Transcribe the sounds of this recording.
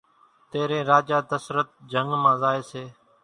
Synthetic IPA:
t̪eːɾẽːɾaːd͡ʒaːd̪əsɾət̪̚d͡ʒəŋɡmãːzaːeːseː

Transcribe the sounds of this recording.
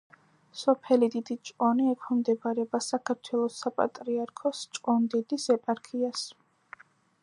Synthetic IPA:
sɔpʰɛlid̪id̪it͡ʃʼqʼɔniɛkʰɔmd̪ɛbaɾɛbasakʰaɾt̪ʰwɛlˠɔsapʼa̰t̪ʼɾiaɾkʰɔst͡ʃʼqʼɔnd̪id̪isɛpʼaɾkʰias

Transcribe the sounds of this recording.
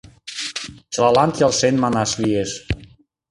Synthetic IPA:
t͡ʃlalant̪jalˠsenmanaslies

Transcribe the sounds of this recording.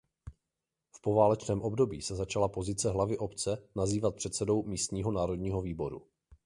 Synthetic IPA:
fpo̞vaːlɛt͡ʃnɛːmʔo̞bdo̞biːsɛzat͡ʃalapo̞zɪt͡sɛɦlavɪʔo̞pt͡sɛnaziːvat̪̚pr̝̥ɛt̪sɛdo̞wmiːst̪ɲiːɦo̞naːɾo̞dɲiːɦo̞viːbo̞ɾṵ

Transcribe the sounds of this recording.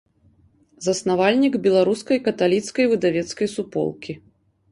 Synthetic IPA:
zɐsnavalʲnʲiɡbʲɛlˠaɾuskɐjkɐt̪alʲit̪skɐjvɨd̪avʲɛt̪skɐjsupɔ̰lˠkʲi

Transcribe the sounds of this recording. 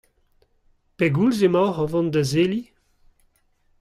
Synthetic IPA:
peɡulzemɔhɔvɑ̃nd̪əzeli

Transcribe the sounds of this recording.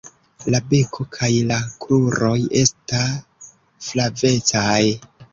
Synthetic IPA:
labe̞kʰo̞kʰajlakluɾo̞je̞stas | flave̞t͡saj

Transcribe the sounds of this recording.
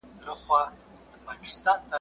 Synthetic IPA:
ləχwɑ | d̪̥əpɑkɪ̥st̪ɑnt̪a

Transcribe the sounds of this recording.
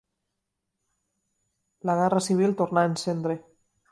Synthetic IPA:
laɣ̞ɛrasiβ̞ilˠt̪oɾnaensend̪ɾe

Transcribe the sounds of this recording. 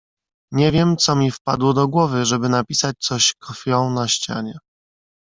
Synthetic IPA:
ɲɛvʲjɛmt̪sɔmʲifpa̰d̪wɔd̪ɔɡwɔvɘʐɛbɘnapʲisat͡ɕt̪sɔɕkʰɔfʲjɔ̃w̃naɕt͡ɕa̰ɲɛ

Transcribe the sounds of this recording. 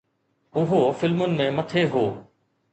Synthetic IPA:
ʊɦofɪlmʊnɪ̆mẽmɐt̪ʰeɦoː

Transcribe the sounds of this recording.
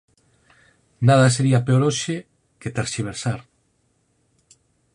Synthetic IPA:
naðɐs̬eɾiapeoɾoʃe | ket̪aɾʃiβ̞eɾsaɾ

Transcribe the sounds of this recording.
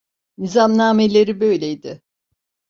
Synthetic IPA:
nizamnaːme̞lʲe̞ɾibø̞jlʲejd̪ɪ

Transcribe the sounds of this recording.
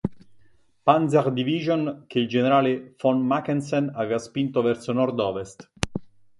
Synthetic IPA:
panzaʁd̪iviːʒonk̟eild͡ʒeneɾaːlefɔnmakːɛnsenavɛːvaspint̪ovɛrsonɔrd̪ɔːvest̪

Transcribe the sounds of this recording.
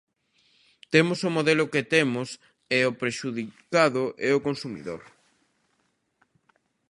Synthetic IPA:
t̪emʊsʊmoðɛlʊket̪emʊs | eopɾeʃuðikaðʊʔeokonsumḭðo̰ɾ

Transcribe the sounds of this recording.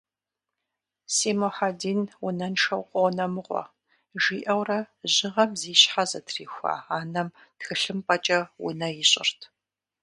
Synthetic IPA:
seːmoħadiːnwʊnɐnʃɐwqʷʼɔwnɐmɨʁʷɔ̰ | ʒiːʔɐwrɐʑɪʁɐmziːɕħazɐtʰriːxʷa̰ːaːnɐm | txɨɬɨmpʼɐt͡ʃʼɐwʊ̰nɐjɪɕʼɪ̰rtʰ

